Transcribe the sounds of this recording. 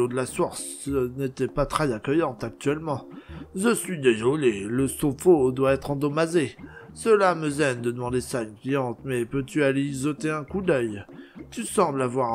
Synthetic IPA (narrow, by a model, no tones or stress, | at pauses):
od̪əlasɔʁsnet̪ɛpat̪χɛzakʲœjɑ̃t̪ak̚t̪ɥɛlmɑ̃ʒəsɥid̪eʒɔleləsofod̪waɛt̪χɑ̃d̪ɔmaze | səlaməzɛnd̪əd̪əmɑ̃d̪esaynklijɑ̃t̪mɛpøt̪yaleizɔt̪eɛ̃kud̪œjt̪ysɑ̃blavwaʁ